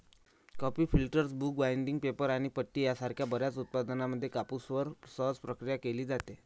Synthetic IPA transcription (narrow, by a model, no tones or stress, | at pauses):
kɔpiːfilʈəɾsbuːk̚bajɳɖiŋɡ̚pepəɾaɽ̃ipəʈːiːjasaɾkʰjabəɾjat͡sut̪̚pad̪naməd̪ʱːjekapusʋəɾsəɦəd͡zpɾəkɾijakeliːd͡zat̪e